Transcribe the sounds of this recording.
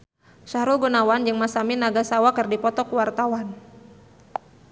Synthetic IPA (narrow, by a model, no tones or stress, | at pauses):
ʃaɾulɡunawand͡ʒɨŋmasaminaɡasawakərdipɔt̪ɔkuwart̪awan